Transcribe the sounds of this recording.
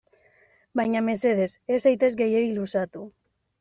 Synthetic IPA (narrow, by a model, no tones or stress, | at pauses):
bajɲame̞se̞ð̞e̞se̞sajt̪e̞zɡe̞jeilusat̪u